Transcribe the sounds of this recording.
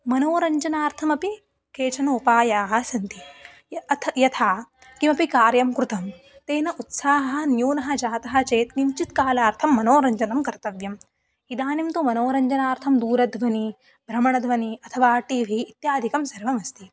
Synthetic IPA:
mɐnoːɾɐɲd͡ʒɐnaːɾt̪ʰɐmɐpi | keːt͡ʃɐnoːpaːjaːɦɐ̆sɐnt̪i | ɐt̪ʰjɐt̪ʰaː | kimɐpikaːɾjɐmkɾut̪ɐm | t̪eːnɐʔut̪saːɦɐɦɐnjuːnɐɦɐ̆d͡ʒaːt̪ɐɦɐ̆t͡ʃeːt̪nimt͡ʃit̪̚kaːlaːɾt̪ʰɐmːɐnoːɾɐɲd͡ʒɐnɐmkɐɾt̪ɐʋjɐm | id̪aːnimt̪umɐnoːɾɐɲd͡ʒɐnaːɾt̪ʰɐmd̪uːɾɐd̪ʱʋɐni | bʱɾɐmɐɳɐd̪ʱʋɐniɐt̪ʰɐʋaːʈiːʋʱiːt̪jaːd̪ʱikɐmsɐɾʋɐmɐst̪it̪

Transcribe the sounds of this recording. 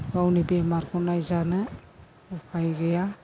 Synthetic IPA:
bawnibemaɾkʰɔnajzanɯ | upʰajɡɛja

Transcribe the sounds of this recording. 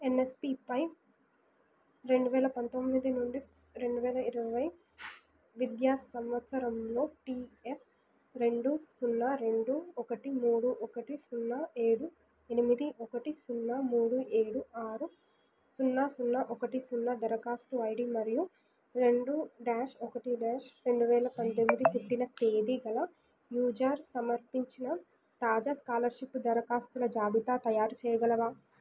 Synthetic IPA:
enespipɐj | ɾe̞ɳɖuʋɛːlɐpɐnt̪omːid̪inuɳɖi | ɾe̞ɳɖuʋɛːlɐiɾɐʋɐj | ʋid̪jaːssɐmʋɐt̪sɐɾɐmlo̞ːʈiːefʰ | ɾe̞ɳɖusunːaɾe̞ɳɖuɔkɐʈimuːɽuʔɔkɐʈisunːɐe̞ːɽu | enimid̪iʔɔkɐʈisunːamuːɽuʔe̞ːɽuʔaːɾu | sunːasunːɐʔɔkɐʈisunːɐd̪ɐɾɐkaːst̪uɐjɽimɐɾiju | ɾe̞ɳɖuɖaːʃɔkɐʈiɖaːʃɾe̞ɳɖuʋɛːlɐpɐnt̪emːid̪it̪iʈːinɐt̪eːd̪iɡɐlɐ | juːd͡ʒaɾsɐmɐɾpiɲt͡ʃinɐ | t̪aːd͡ʒaːskaːlɐɾʃipːd̪ɐɾɐkaːst̪ulɐd͡ʒaːbit̪aːt̪ɐjaːɾut͡ʃɛːjɐɡɐlɐʋaː

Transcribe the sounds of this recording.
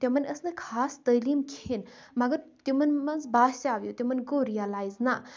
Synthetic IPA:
t̪jɐmɐnəsnɐkʰaːst̪ɐlimkʰinmɐɡɐɾt̪imɐnmɐnzbaːsaːʋjot̪ʲimɐnɡoɾijalaːjzna

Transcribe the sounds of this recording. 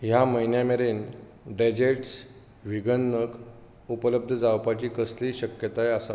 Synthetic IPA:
jaməjnjameɾen | ɖed͡ʑeʈs | ʋiɡənːək | upələb̚d̪ʱəd͡zawpat͡ɕiːkəsliːɕəkjət̪ajəsa̰

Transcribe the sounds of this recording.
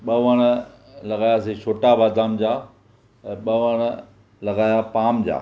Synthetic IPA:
ɓɐʋəɽ̃ə | lɐɡaːjaseʃʰoːʈabaːd̪aːmd͡ʑãː | ɓɐʋəɽ̃ə | lɐɡaːjapaːmd͡ʑa̰ː

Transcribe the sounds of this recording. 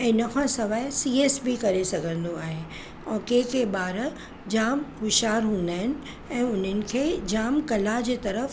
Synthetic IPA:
ɛ̃ːnɐkʰãsɐʋaːɪsiːeːsbikɐɾesɐɡʱə̃nd̪oaːɦe | ɔ̃ːkekeɓaːɾ | d͡ʑaːmɦʊʃaːɾɦũːn̆d̪aːɦɪnɪ̆ | ɛ̃ːʊn̤ənɪ̆kʰeːd͡ʑaːmkɐlad͡ʑeːt̪ɐɾəf

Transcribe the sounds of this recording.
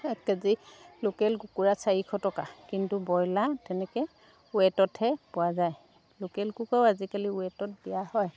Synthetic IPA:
kazilokɛlɡukuɹasaɹikʰɔtɔkakintubɔjlatɛnɛkɛ | wɛtɔthɛpʊwazaj | lokɛlɡukawazikaliuɛtɔt̚dijahɔj

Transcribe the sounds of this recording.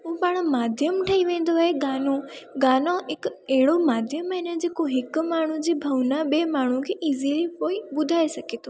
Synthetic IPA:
ɦʊ̃paɽ̃maːd̪ʱjəmʈʰɐiʋẽːn̆d̪oaɦeɡaːnoɡaːnoɦɪkɐɦɪɽomaːd̪ʱjəmɪnə̆d͡ʑeːkoɦɪkmaːɳ̤ud͡ʑiːbʱɐʋnaɓeːmaːɳ̤ukʰeːʔiːzilipoːiɓʊd̪ʱaːesɐɡʱeːt̪ʰoː

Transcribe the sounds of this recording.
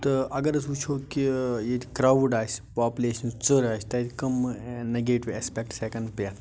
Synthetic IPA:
t̪ɨɐɡɐɾɐsut͡ʃʰoːkijet̪i̥kɾaʋɖaːsʲpaːpuleːʃɐnut͡səɾaːst̪ɐt̪ʲkɐmnɐɡeːʈiʋeːspek̚ʈseːkɐnɖpjɐ

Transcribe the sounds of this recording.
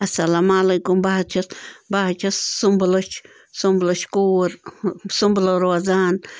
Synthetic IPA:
asalamalajkumbahat͡ʃasmbahat͡ʃassumblot͡ʃ | sumbloʃkuɾsumbloɾoazan

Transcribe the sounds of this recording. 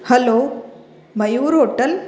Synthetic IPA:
hɐloː | mɐjuːɾoːʈːɐl

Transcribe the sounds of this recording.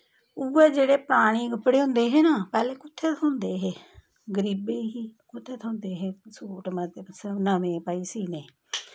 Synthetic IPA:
uːeːd͡ʒeːɽeːpɾaːɽ̃iːɡəpɽeːɦʊ̃nd̪eːɦeːnaːpɛːleːkʊt̪ʰːeːt̪ʰʊ̃nd̪eːɦeː | ɡəɾiːbeːɦiːkʊt̪ʰːeːt̪ʰʊ̃nd̪eːɦeːsoːʈmət̪əbsənəmẽːpaːiːsiːneː

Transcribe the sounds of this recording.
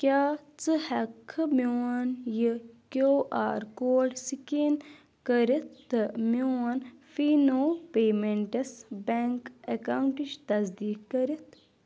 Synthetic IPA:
kʲjaːt͡sɨhɐkʰːɨmoanjikoːʔa̰ːɾkoːɖsiken | kəɾit̪ʰːɨmoɐnfiːnoːpeːmeɳʈɐsbeŋkekauɳʈiʃt̪ɐsd̪iːkːɐɾit̪ʰ

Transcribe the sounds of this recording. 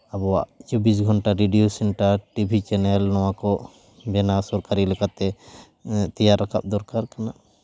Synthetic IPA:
abɔwa̰ʔt͡ʃɔbis̬ɡʱɔɳʈaɾiɖijosɛnʈaɾʈibʱit͡ʃɛnɛlnɔwakɔʔ | bɛnasɔɾkaɾilɛkat̪ɛ | t̪ɛjaɾːakʰa̰p̚d̪ɔɾkaɾkana

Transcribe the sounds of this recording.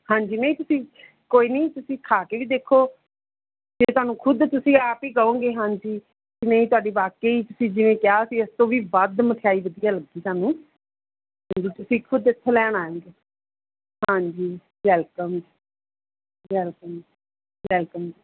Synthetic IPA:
hãːɲd͡ʒiːnəĩːt̪ʊsĩː | koːiːnəiːt̪ʊsĩːkʰaːkeːʋiːd̪eːkʰːoː | d͡ʒeːt̪ʊaːnũːkʰʊd̪t̪ʊsĩːaːpiːɡəõːɡeːɦãːɲd͡ʒiː | ɪnẽĩːt̪ʊaːɖiːʋaːkeːiːt̪ʊsĩːd͡ʒɪʋẽːkjaːsiːəst̪õːʋiːʋəd̪mət̪ʰɪjaːiːʋəd̪ijaːləɡiːsaːnũː | ɦãːɲd͡ʒiːt̪ʊsĩːkʰʊd̪ɪt̪ʰːelɛːɽ̃aːjõːɡeː | hãːɲd͡ʒiː | ʋɛːlkəmi | ʋɛːlkəm | ʋɛːlkəmd͡ʒiː

